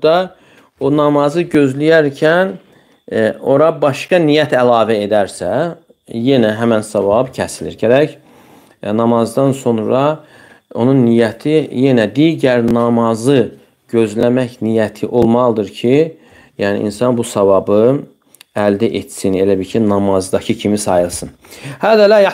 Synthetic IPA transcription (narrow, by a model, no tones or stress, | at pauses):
d̪ɑ | onɑmɑzɯɟø̞zlijæɾcʰæn | o̞ɾɑbɑʃkɑnijæt̪ʰælɑːvæe̞d̪æɾsæ | je̞næɦæmænsɑvɑbcʰæsilḭɾɟæɾæç | nɑmɑzd̪ɑnso̞nɾɑ | o̞nunːijæt̪ʰije̞næd̪iːɟæɾnɑmɑzɯ | ɟø̞zlæmæçnijæt̪ʰiʔo̞lˠmɑlˠd̪ɯɾcʰi | jæːnḭʔḭnsɑnbusɑvɑbɯ | æld̪iʔet̪sine̞læbiɾcʰinɑmɑzd̪ɑcʰɯcʰimisɑjɯlˠsɯn | hæd̪ælæ